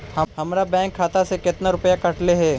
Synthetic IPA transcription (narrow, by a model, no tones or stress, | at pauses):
hɐɦɐmɾabɛ̃ːŋkʰːaːt̪asekɪt̪naɾʊpjakɐʈleɦɛː